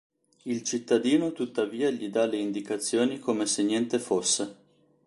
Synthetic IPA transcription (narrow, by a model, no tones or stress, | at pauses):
ilt͡ʃit̪ːad̪iːnot̪ut̪ːaviːaʎid̪aleind̪ikat̪sːjoːnikoːmesenːjɛnt̪efosːe